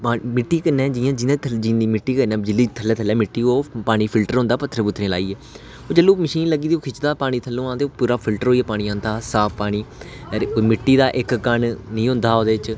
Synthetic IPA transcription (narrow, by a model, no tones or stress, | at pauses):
paːmɪʈːiːkənːɛ̃ːd͡ʒiːãːd͡ʒɪːnẽt̪ʰd͡ʒiːiːmɪʈːiːkəɾnɛ̃ːd͡ʒɪliːt̪ʰəlːɛːt̪ʰəlɛːmɪʈːiːoːpaːɽ̃iːpʰɪlʈəɾõʊ̃nd̪aːpət̪ʰːəɾəbʊt̪ʰːɾẽːla̰ːiːɛː | oːd͡ʒəlːõːməʃiːnləɡiːd̪iːoːkʰɪt͡ʃd̪aːpaːɽ̃iːt̪ʰəlːõːãːt̪eːpuːɾaːpʰɪlʈəɾɦoːiaːpaːɽĩːãːnt̪aːsaːppaːɽ̃iː | koːimɪʈːiːd̪aːʔɪkkəɳnĩːɦʊ̃nd̪aːoːd̪eːt͡ʃ